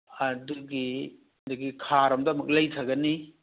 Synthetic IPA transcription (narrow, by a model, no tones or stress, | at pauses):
ɐduɡi | duɡikʰaɾɐmdɐmɐk̚lɐjtʰɐɡɐni